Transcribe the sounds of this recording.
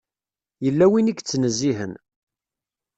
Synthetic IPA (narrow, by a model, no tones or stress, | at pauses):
jəlːæwinikːt͡sːnəzːiɦə̰n